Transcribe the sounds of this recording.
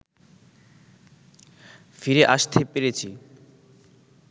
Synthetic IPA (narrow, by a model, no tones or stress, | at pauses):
fiɾeʔaʃt̪ʰepeɾet͡ɕʰi